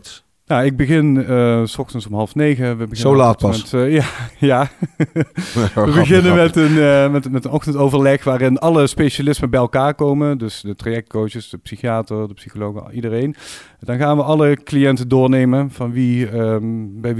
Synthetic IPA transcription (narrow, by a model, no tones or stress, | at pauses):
nawɪɡ̚bəɣɪnəsɔxtənsɔmɦɑlˠfnejɣəʋəbəɣɪnolaːt̚pɑɛtjajaː | ʋəbəɣɪnənmɛtənmɛtmɛtənɔxtəntowvəɹlɛxʋaːrɪnɑləspejʃalɪsmənbɛjɛlˠkaːɹkowməndɵsdətrajɛk̚t̚kowəsdəpsixijaːtəɹdəpsixolowxəidərejn | dɑnɣaːnʋəɑləklijɛntəndʊːɹnejmənv̥ɑnʋi | bɛj